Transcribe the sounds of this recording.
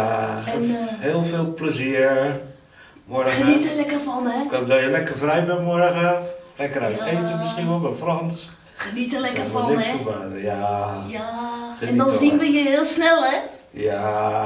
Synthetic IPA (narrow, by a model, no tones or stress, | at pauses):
aɛnheːlˠfeːlˠpləziəɹ | mɔrɣəənitəlɛkərfɔnɛkodɔjəlɛkərfrɛjbɛnmɔrɣəlɛkərajtejtəmɪsxinʋɔlˠbɛjfrɔns | χənitəlɛkərfɔniɛəaːjajaxənɛnidɔnzinʋəjəɪəlˠsnɛlˠɛja